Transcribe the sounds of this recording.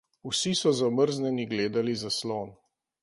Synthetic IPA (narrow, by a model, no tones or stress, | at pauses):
usisɔzaməɾznɛniɡleːd̪alizasloːn